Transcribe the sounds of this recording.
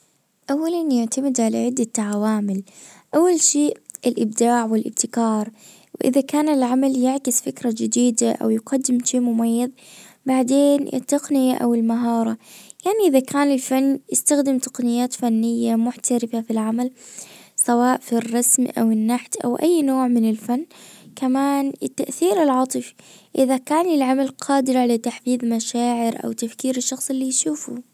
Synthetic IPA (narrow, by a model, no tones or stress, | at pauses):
ʔawːalanjɪʕt̪amɪd̪ʕalaʕɪd̪ːat̪ːaʕawaːmɪlʔawːalʃeːʔɪlʔɪb̚d̪aːʕwɪlʔɪb̚t̪ɪkɑːɾˤ | wʔɪ̰ðakaːnɪlʕamaljɪʕkɪsfɪkɾˤɑd͡ʒɪd̪iːd̪aʔa̰wjɪqɑd̪ːɪmʃiːmʊmajːɑð | baʕd̪eːnɪ̰t̪ːɑqnɪjaʔa̰wɪlmaɦɑːɾˤɑjaʕniʔɪðakʰaːnɪlfanːjɪst̪axd̪ɪmt̪ɑ̥qnɪjːaːt̪fanːɪjːamʊħt̪aɾɪfafilʕamalsawaːʔfirˤːɑsmʔa̰wɪnːaħt̪ʔa̰wʔa̰jːnoːʕmɪnɪlfanːkamaːnɪt̪ːaʔθiːɾɪlʕɑːt̪ˤɨfiʔɪðakaːnɪlʕamalqʰɑːd̪ɪɾʕalat̪aħfiːðmaʃaːʕɪɾʔa̰wt̪afkiːɾɪʃːɑxsˤɪlːijʃuːfṵ